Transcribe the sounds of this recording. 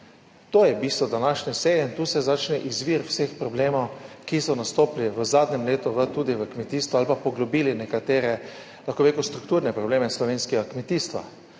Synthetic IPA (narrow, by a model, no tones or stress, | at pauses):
t̪oːjɛbiːst̪ʋɔd̪anaʃnɛseːjɛint̪uːsɛzat͡ʃnɛʔizʋiɾwsexpɾɔbleːmɔwkisɔnast̪oːpliʋəzaːd̪nɛmleːt̪uʋət̪uːd̪iʋəkmɛt̪iːst̪ʋualpapɔɡlɔbiːlinɛkat̪eːɾɛ | laxkoʋeːkust̪ɾukt̪uːɾnɛpɾɔbleːmɛslɔʋeːnskɛɡakmɛt̪iːst̪ʋa̰